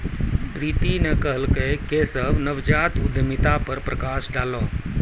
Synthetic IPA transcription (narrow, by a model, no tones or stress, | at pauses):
pɾiːt̪inəkəɦəlkəkesəbnəʋd͡ʒaːt̪ʊd̪ʱmɪt̪apəɾpɾɐkaːsɖaːloː